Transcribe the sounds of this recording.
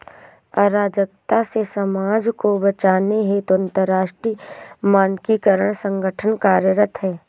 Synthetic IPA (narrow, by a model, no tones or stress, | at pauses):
ɐɾaːd͡ʒək̚t̪asesəmaːd͡ʒkobət͡ʃaːneɦet̪oɐ̃nt̪əɾːaːʃʈɾiːmaːnkikəɾəɽ̃sə̃ŋɡəʈʰənkaːɾjəɾət̪ɦɛː